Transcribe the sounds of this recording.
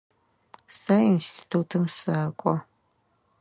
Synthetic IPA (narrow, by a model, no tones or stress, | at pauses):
sainstʰi̥tʰuːtʰɨmsaːkʷʼɔ